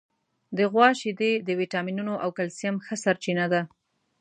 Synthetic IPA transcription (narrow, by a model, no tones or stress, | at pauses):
d̪əɣwɑʃid̪ed̪əwiʈɑminunoʔawkalsijamxəsaɾt͡ʃinad̪a